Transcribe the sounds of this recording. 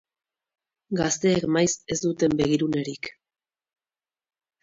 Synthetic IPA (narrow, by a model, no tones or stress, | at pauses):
ɡast̪e̞ːkmajse̞zd̪ut̪e̞mbe̞ɣiɾune̞ɾik